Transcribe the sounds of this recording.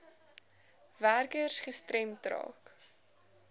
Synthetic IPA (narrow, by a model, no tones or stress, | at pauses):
værkərsχəstrɛmtrɑ̰ːk